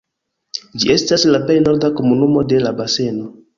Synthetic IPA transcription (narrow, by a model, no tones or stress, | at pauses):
d͡ʒiʔe̞staslape̞jno̞ɾdako̞munumo̞de̞labase̞no